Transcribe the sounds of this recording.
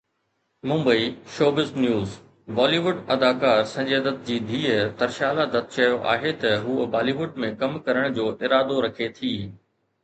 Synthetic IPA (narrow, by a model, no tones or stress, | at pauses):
mʊ̃mbəiːʃoːbɪznjuːz | ʋaːliːʋʊɖɐd̪aːkaːɾsɐ̃ɲd͡ʑeːd̪ət̪̚d͡ʑiːd̪ʱiːt̪ɐɾʃaːlad̪ɐt̪̚t͡ɕɐjoʔa̰ːɦet̪ɐɦuːəbaːliʋʊɖmẽkɐmkɐɾəɽ̃d͡ʑoːʔɪɾaːd̪oɾɐkʰet̪ʰiː